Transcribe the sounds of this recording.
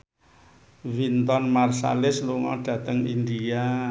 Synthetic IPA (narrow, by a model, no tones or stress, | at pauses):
vint̪ɔnmarsa̰lɪsluŋɔ̰ɖ̥ä̤t̪əŋindia